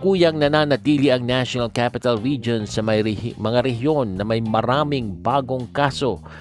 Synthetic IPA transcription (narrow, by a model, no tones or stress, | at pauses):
kuːjɐŋnɐnanɐt̪iːliʔɐŋnaʃonɐlkapɪt̪ɐlɹid͡ʒonsɐmɐjmɐŋaɾɛɦjo̞nːɐmɐjmɐɾaːmɪŋbaːɡo̞ŋkaso̞